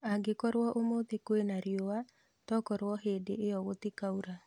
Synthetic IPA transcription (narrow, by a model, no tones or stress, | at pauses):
aɡekɔɾwɔʔomot̪ekwenaɾjowa | tɔkɔɾwɔɦedeejɔɣot̪ikauɾa